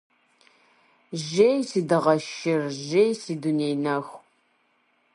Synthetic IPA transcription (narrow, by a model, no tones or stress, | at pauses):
ʒejsiːdɨʁɐʃɪrʒejsiːduneːjnɐxʷ